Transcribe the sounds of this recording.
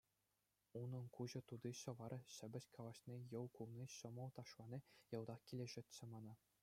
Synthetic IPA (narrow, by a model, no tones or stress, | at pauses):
unɤ̆nkuʑɤ̆t̪ud̪iɕɤ̆ʋɑɾɤ̆ɕɘ̆bʲɘ̆ɕkʰɑlˠɑɕnʲejɤ̆lkulˠnʲiɕɤ̆mɤ̆lˠt̪ɑʂlˠɑnʲijɤ̆lˠd̪ɑχkʲilʲeʐɘ̆t̪ʲt͡ɕɘ̆mɑnɑ